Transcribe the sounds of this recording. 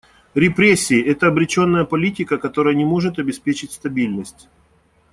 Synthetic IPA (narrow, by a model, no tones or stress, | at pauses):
ɾʲɪpɾʲesʲːɪːʔɛt̪əɐbɾʲɪt͡ɕo̞nːəjəpɐlʲitʲɪkəkɐt̪o̞ɾəjənʲɪmo̞ʐɨt̪ɐbʲɪspʲet͡ɕɪtʲst̪ɐbʲilʲnəsʲtʲ